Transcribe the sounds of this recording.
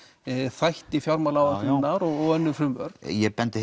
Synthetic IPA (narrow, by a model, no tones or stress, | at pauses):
θajht̪ifjawɾmalawainːaɾɔɣɔɣœnːʏfɾʏmœɾ̥jɛpɛnt̪ɪ